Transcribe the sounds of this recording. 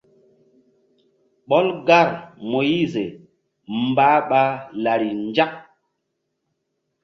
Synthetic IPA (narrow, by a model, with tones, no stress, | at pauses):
ɓɔ˦lɡa˦˨ɾmo˨ji˦˨ze˨ | m˦baː˨˦ɓa˦la˨ɾi˨nd͡ʒa˦k̚